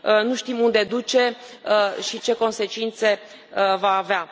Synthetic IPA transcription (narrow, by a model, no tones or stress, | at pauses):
ənuʃt̪imund̪e̞d̪ut͡ʃe̞əʃit͡ʃe̞ko̞nse̞t͡ʃint̪se̞ | əvaːvea